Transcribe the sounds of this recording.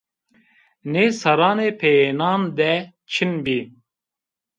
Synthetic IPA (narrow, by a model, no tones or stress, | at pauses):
neːsɐɾɑːneːpʰeenaːnd̪ɛ | t͡ʃʰinbiː